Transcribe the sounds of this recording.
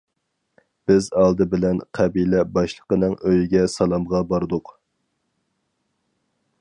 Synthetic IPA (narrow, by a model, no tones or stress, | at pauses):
b̥ɪzɑlˠd̪ɨbɪlɛnqʰæbilɛbɑʃlˠə̥qənɨŋøjiɡʲɛsɑlˠɑmʁɑbɑɾd̪ʊq